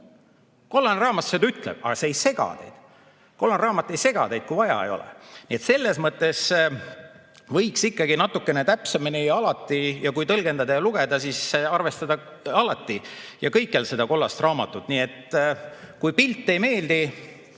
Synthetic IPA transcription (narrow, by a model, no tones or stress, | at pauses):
ko̞lːɑnrɑːmɑsːed̪ɑyt̪lḛb̥̚ɑ̰ɡ̥ɑseejse̞ɡ̥ɑ̰d̪̥ḛjd̪̥ | ko̞lːɑnrɑːmɑt̪ːˑejse̞ɡ̥ɑ̰d̪e̞jd̪̥̚kujvɑjɑ̰ejo̞̰lḛniet̪se̞lːe̞smɤt̪ːˑe̞s | vɤjksikːɑɡinɑt̪ːˑukːˑe̞net̪æpseminiɑlɑt̪ˑːijɑkujt̪ɤlɡe̞nd̪ɑd̪ɑjɑluɡ̥e̞d̪̥ɑsisɑrve̞st̪ɑd̪ɑɑlɑt̪ːˑijɑkɤjkˑːelse̞d̪̥ɑko̞lːɑst̪rʔɑːmɑt̪ːˑut̪ːnie̞t̪ | kujpilt̪ˑːe̞jme̞ːld̪i